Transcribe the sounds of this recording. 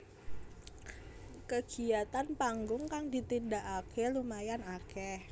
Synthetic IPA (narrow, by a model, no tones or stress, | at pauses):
kəɡ̥i̤at̪anpaŋɡʊŋkaŋdit̪indaʔakʰɛlumajanakɛh